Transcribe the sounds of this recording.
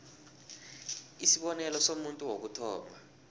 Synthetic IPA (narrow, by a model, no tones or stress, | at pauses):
isiɓɔnɛlɔsomuntʼuwok̬utʰɔ̰ːmba